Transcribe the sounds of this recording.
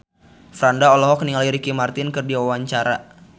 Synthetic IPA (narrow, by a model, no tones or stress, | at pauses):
fɾandaɔlɔɦɔk̚niŋaliɾikimart̪ɪnkɨrdiwawaɲt͡ʃaɾa